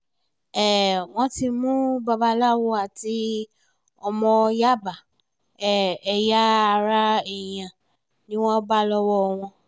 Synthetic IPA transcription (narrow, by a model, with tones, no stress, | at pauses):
ɛ˦˨w̃ɔ̃˧ti˧mũ˦ba˧ba˧la˦˨wo˧a˨ti˧˦ | ɔ˧mɔ̃˧ja˦˨ba˨ | ɛ˨ɛ˨ja˦a˧ɾa˦ɛ˨j̃ã˨ | nĩ˦w̃ɔ̃˦ba˦lɔ˦wɔ˧˨w̃ɔ̃˧